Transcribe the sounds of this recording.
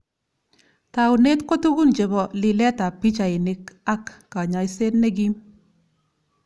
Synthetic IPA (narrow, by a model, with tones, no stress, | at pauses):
ta˨wne˦tko˦tu˦ɡu˦nd͡ʒe˨bɔ˨lɪ˨lɛ˦ta˨pi˦t͡ʃa˨ɪ˨nɪ˦ka˦kːa˨ɲa˨jse˦tne˦ɡi˦m